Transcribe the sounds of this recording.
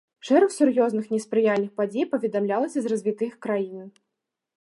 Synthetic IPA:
ʂɛɾɐxsurjɔznɨxnʲɛspɾɨjalʲnɨxpad͡zʲejpɐvʲɛd̪amlʲalˠɐsʲɐzrɐzʲvʲit̪ɨxkɾajinɨ

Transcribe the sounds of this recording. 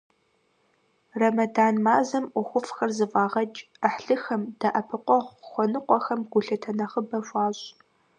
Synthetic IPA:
rɐmɐdaːnmaːzɐmʔʷʊxʷʊfxɐrzɨvaːʁɐt͡ʃʼ | əħɬɨxɐmd̥aʔɐpʰɨqʷɔʁxʷɔnɨqʷɔxɐmɡʷʊɬɐtʰɐnɐχəbɐɕʷʼaːɕʼ

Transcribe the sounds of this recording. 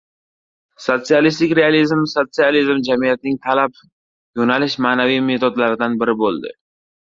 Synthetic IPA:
sot̪sijalist̪ɪkʲɾealizmsot̪sijalizmd͡ʒamijat̪̚nɪŋt̪ʰalap | jonalɪʃmaːnavijme̞t̪ʰod̪laɾɪd̪anbɪɾɪbolˠd̪ɪ̰

